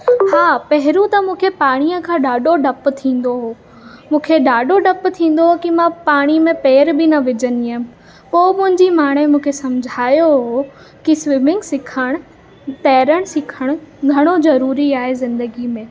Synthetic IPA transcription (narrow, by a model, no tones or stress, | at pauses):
haːpɐɦɪɾũt̪ɐmũːkʰepaːɽ̃ijəkʰãːɗaːɖoɖɐpt̪ʰĩːn̆d̪oɦoː | mũːkʰeɗaːɖoɖɐpt̪ʰĩːn̆d̪oɦokimãpaːɽ̃imẽpeːɾbɪnɐʋɪd͡ʑəniə | poːmʊ̃ɦɪ̃ɲd͡ʑimaːɽ̃emũːkʰesɐmd͡ʑʱaːjoɦo | kisʋɪmɪ̃ŋɡsɪkʰəɽ̃ʊ̆ | t̪ɐːɾəɽ̃sɪkʰəɽ̃̆ɡʱɐɽ̃ozɐɾuːɾiaːɦezɪ̃nd̪əɡimẽː